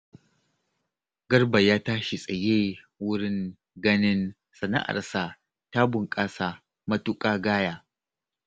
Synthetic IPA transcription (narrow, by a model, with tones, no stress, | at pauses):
ɡɐ˦rbɐ˨jaː˦taː˦ʃi˨sʼɐ˨jeː˦ | wʊ˦ɽɪ˦ŋ | ɡɐ˦nɪ˦n | sɐ˨na̰˦ʔa̰˨rsaː˨ | taː˦bʊ˨ŋkʼaː˦saː˦˨ | mɐ˦tʊ˦kʼaː˦ɡaː˦jaː˦